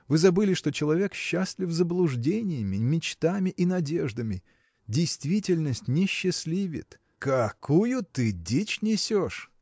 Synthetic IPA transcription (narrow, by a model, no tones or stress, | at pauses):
vɨzɐbɨlʲɪʂt̪o̞t͡ɕɪlˠɐvʲe̞kɕːasʲlʲɪfzəblˠʊʐdʲenʲɪjɪmʲɪmʲɪt͡ɕt̪amʲɪʔinɐdʲe̞ʐd̪əmʲɪ | dʲɪjst̪vʲitʲɪlʲnəsʲtʲnʲɪɕːɪsʲlʲivʲɪ̰t̪ | kɐkujʊt̪ɨdʲit͡ɕnʲɪsʲoʂ